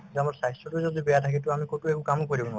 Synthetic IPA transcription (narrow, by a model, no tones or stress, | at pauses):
zuamaɹsajsɔtuzodibɛjatʰakitʊamikotuɛkukamʊkoɹibɔna